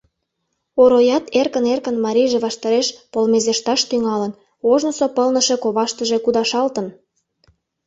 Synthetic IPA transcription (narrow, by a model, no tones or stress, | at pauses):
oɾojɑt̪erkənerkənmɑɾʲijʒeβɑʃt̪ɑɾeʃpolmezeʃt̪ɑʃt̪yŋɑlən | oʒnosopəlnə̆ʃe̽koβɑʃt̪əʒekud̪ɑʃɑlt̪ən